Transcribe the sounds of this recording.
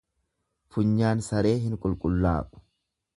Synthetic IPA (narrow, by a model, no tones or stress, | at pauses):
fʊɲːaːnsɐɾe̞ːɦɪŋkʼʊlkʼʊlːa̰ːkʼʊ̥